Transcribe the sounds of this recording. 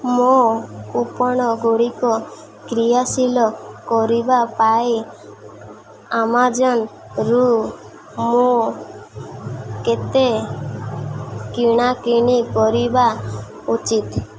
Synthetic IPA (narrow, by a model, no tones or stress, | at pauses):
moupɔɽ̃ɔɡuɽikɔ | kɾijasilɔkɔɾibapaj | amad͡ʒɔn | ɾu | mo | ket̪e | kiɽ̃akɾiɽ̃ikɔɾiba | ut͡ʃit̪